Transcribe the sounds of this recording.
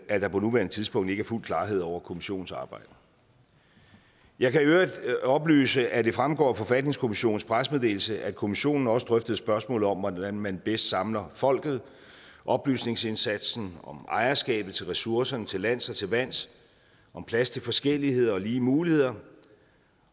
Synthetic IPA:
ʔæd̥ɑ̈pʰɒ̽nuʋæɐnət͡sʰiðˠsb̥ɔ̽ŋ̰d̥e̝ɡ̥æɐful̰kʰlɑ̈ːɦe̝ð̞̰ˠɒʊ̰ɐkʰo̝miɕo̝̰ːn̩sɑ̈ːb̥ɑ̈ɪ̰d̥ə | jɑ̈ɪkʰæiøːid̥ɒ̽b̥ly̰ːsəʔæd̥e̝fʁamɡ̥ɒ̰ːfɒ̽fæd̥ne̝ŋskʰo̝miɕo̝̰ːn̩spʰʁasmeð̞ˠd̥e̝ːl̩səʔækʰo̝miɕo̝̰ːnn̩ɒ̽səd̥ʁœfd̥əð̞̩ˠsb̥ɶɐsmɔ̰̽ːlð̩ˠɒ̽mʋɒdænmænb̥esd̥sɑ̈mlɐfɒ̽l̰ɡ̥ð̞̩ˠ | ʔɒ̽b̥ly̰ːsne̝ŋse̝nsæd̥sn̩ɒ̽mɑ̈ɪɐsɡ̥ɛ̰ːb̥ð̩ˠt͡sʰe̝lʁɛsuɐsɐnət͡sʰe̝lːæn̰sɒt͡sʰe̝lʋæn̰s | ʔɒ̽mpʰlæst͡sʰe̝lfɒ̽sɡ̥el̰ihe̝ð̞̰ˠɐɒ̽liːmuːlihe̝ð̞̰ˠɐ

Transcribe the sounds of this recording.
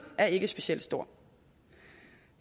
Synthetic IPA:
æɐe̝ɡ̥əsb̥e̝ɕiel̰d̥sd̥o̝ɐ̰

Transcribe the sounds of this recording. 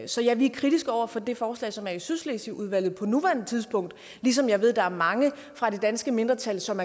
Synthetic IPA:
sɒ̽jɑ̈ɪʋikʰʁid̥isɡ̥ɒʊ̰ɐfɒ̽d̥e̝fɒːslɛ̰ɪsɒ̽mæɐisyslesiʔuð̞ˠʋæl̰ð̞̩ˠpʰɒ̽nuʋæɐn̩t͡sʰið̞ˠsb̥ɔ̽ŋ̰d̥ | lis̬ɒ̽mjɑ̈ɪʋe̝ð̞̰ˠd̥ɑ̈æɐmɑ̈ŋə | fʁɑ̈ɾ̥e̝d̥ænsɡ̥əme̝nd̥ʁɐt͡sʰælsɒ̽mæɐ

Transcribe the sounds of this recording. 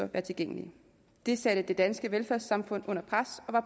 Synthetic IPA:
ɒʋæːɐt͡sʰe̝lɡ̥eŋ̰əli | d̥e̝sæɾ̥əd̥e̝d̥ænsɡ̥əʋelfæɐ̰sɑ̈mfɔ̽n̰ɔ̽n̰ɐpʰʁasɒ̽ʋɑ̈p

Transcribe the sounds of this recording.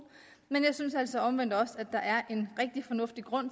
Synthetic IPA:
menjɑ̈ɪsynsæl̰sɒ̽ɒ̽mʋen̰d̥ɒ̽sæd̥ɑ̈ʔæɐʔe̝nʁeɡ̥̚d̥ifɒ̽nɔ̽fd̥iɡ̥ʁɔ̽n̰

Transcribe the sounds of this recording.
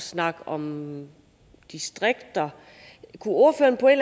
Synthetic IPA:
snɑ̈ɡ̥ɒ̽m | d̥isd̥ʁeɡ̥d̥ɐ | kʰuo̝ɐføːɐnpʰɒ̽e̝n̥l

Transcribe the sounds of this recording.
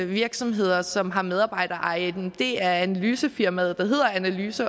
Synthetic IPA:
ʋiɐɡ̥sɒ̽mɦe̝ð̞̰ˠɐsɒ̽mɦɑ̈með̞ˠɑ̈ːb̥ɑ̈ɪ̰d̥ɐʔɑ̈ɪd̥d̥e̝æɐænælyːsəfiɐmæð̞ˠd̥ɑ̈ɦe̝ð̰ˠɐænælyːsə

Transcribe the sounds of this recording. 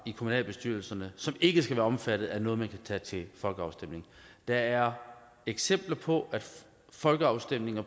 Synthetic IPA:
ikʰomunɛ̰ːlb̥e̝sd̥yɐ̰l̩sɐnəsɒ̽me̝ɡ̥əsɡ̥æʋæːɐɒ̽mfæd̥ð̞̩ˠæɐnɔ̽ːð̞̩ˠmænkʰæt͡sʰɛ̰ːt͡sʰe̝lfɒ̽lɡ̥əɑ̈ʊsd̥em̰ne̝ŋ | d̥ɑ̈æɐ | eɡ̥sem̰b̥lɐpʰɒ̽ʔæd̥ | fɒ̽lɡ̥əɑ̈ʊsd̥em̰ne̝ŋɐ

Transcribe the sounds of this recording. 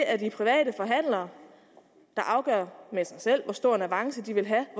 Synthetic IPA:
ʔæɐd̥ipʰʁiʋɛ̰ːɾəfɒ̽ɦæn̰lɐː | d̥ɑ̈ʔɑ̈ʊɡ̥ɶ̰ɐ̰mesɑ̈ɪsel̰ʋɒsd̥o̝ɐ̰næʋɑ̈ŋsəd̥iʋe̝lɦæ

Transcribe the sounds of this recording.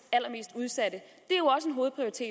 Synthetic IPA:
æl̰ɐme̝̰ːsd̥uð̞ˠsæd̥ə | d̥e̝æɒ̽səe̝nɦo̝ːð̩ˠpʰʁioɐʁit͡sʰe̝ː

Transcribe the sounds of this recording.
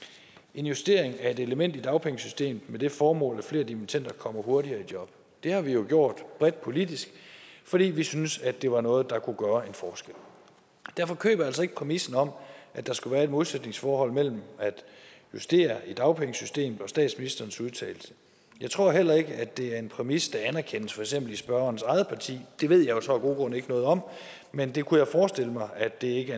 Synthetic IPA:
ʔe̝njusd̥e̝ɐeŋæɐe̝d̥e̝ləmen̰d̥id̥ɑ̈ʊpʰeŋəsysd̥e̝̰ːmð̩ˠmed̥e̝fɒːmɔ̰̽ːlæfle̝̰ːɐd̥iment͡sʰen̰d̥ɐkʰɒ̽m̰ɐho̝ɐɾiɐid̥jɒ̽b̥ | d̥e̝hɑ̈ʋijo̝ɡ̥jo̝ɐ̰d̥b̥ʁɛd̥̚pʰo̝lid̥isɡ̥fɒ̽ɾ̥ḭːʋisynsæd̥e̝ʋɑ̈nɔ̽ːð̞̩ˠd̥ɑ̈kʰuɡ̥ɶːɐe̝nfɒːsɡ̥el̰ | d̥æɐ̰fɒ̽kʰø̰ːb̥ɐæl̰s̬ɒeɡ̥ə̥pʰʁɛmisn̩ɒ̽m̰ʔæd̥ɑ̈sɡ̥uʋæːɐe̝d̥̚mo̝ðlˠsed̥ne̝ŋsfɒːɦɒ̽l̰mel̰m̩æd̥ | jusd̥e̝̰ːɐid̥ɑ̈ʊpʰeŋəsysd̥e̝̰ːmð̩ˠɒ̽sd̥ɛ̰ːd̥sminisd̥ɐːn̩suð̞ˠt͡sʰɛ̰ːl̩sə | jɑ̈ɪt͡sʰʁo̝ɐ̰ɦel̰ɐe̝ɡ̥əæd̥e̝æɐe̝npʰʁɛmisd̥ɑ̈ænæɐkʰen̰əsfɒ̽eɡ̥semb̥l̩isb̥ɶɐɐːnsɑ̈ɪð̩ˠpʰɑ̈t͡sʰḭːd̥e̝ʋe̝ð̞̰ˠjɑ̈josɒ̽æɡ̥o̝̰ːɡ̥ɔ̽nəe̝ɡ̥ənɔ̽ːð̞̩ˠɒ̽m̰ | mend̥e̝kʰujɑ̈ɪfɒːsd̥e̝ləmɑ̈ɪʔæd̥e̝e̝ɡ̥ə

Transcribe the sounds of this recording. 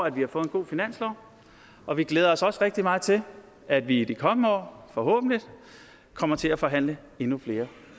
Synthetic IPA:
æd̥ʋihɑ̈fɔ̽ːð̩ˠenɡ̥o̝̰ːfinæn̰slɒʊ̰ | ʔɒ̽ʋiɡ̥leːð̞ˠɐɒ̽sɒ̽sʁɛɡ̥̚d̥imɑ̈ːð̩ˠt͡sʰe̝l | æd̥ʋiːd̥ikʰɒ̽mnəɒ̰ːfɒ̽ɦɔ̰̽ːb̥n̩lid̥ | kʰɒ̽m̰ɐt͡sʰe̝læfɒ̽ɦæn̰lə | e̝nufle̝ːɐ

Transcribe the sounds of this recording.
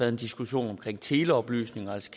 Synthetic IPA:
æɐðˠend̥isɡ̥uɕo̝̰ːnɒ̽mkʰʁeŋ̰t͡sʰe̝ːləɒ̽b̥ly̰ːsne̝ŋɐælskʰ

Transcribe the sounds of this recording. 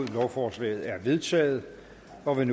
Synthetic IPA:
ð̰ˠlɒʊfɒːslɛ̰ːɪð̞̩ˠæɐʋe̝ðˠt͡sʰɛ̰ːð̞̩ˠ | ɒ̽ʋe̝n

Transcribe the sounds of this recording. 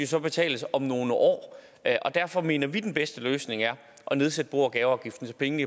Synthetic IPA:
josɒ̽b̥e̝t͡sʰɛ̰ːləsɒ̽mno̝ːnəʔɒ̰ː | ʔɒ̽d̥æɐfɒ̽me̝̰ːnɐʋid̥enb̥esd̥əløːsne̝ŋæɐ | ʔɒ̽ne̝ð̞ˠsed̥əb̥o̝̰ːɐɡ̥ɛːʊɑ̈ʊɡ̥ifd̥n̩t͡sʰepʰeŋəi

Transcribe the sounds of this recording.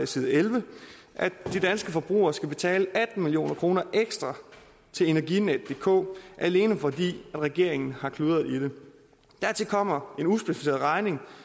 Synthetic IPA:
siːð̩ˠelʋə | ʔæd̥d̥id̥ænsɡ̥əfɒ̽b̥ʁṵːɐːsɡ̥æb̥e̝t͡sʰɛ̰ːləʔæd̥n̩milijo̝̰ːnɐkʰʁo̝ːnɐʔeɡ̥sd̥ʁɑ̈ | t͡sʰe̝le̝næɐɡined̥ːe̝kʰɔ̰̽ːʔæle̝ːnəfɒ̽d̥ḭːæd̥ʁɛɡ̥e̝ɐ̰e̝ŋn̩hɑ̈kʰluːðˠɐð̩ˠid̥e̝ | d̥æɐt͡sʰe̝kʰɒ̽m̰ɐe̝nusb̥e̝sifise̝̰ɐðˠʁɑ̈ɪne̝ŋ

